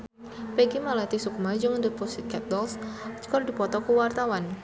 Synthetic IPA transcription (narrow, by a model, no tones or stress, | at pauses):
peɡimalat̪isukumad͡ʒɔŋndʊt̪̚pɔsɪt̪̚kap̪̚dɔlst͡ʃkɔrdipɔt̪ɔkuwart̪awan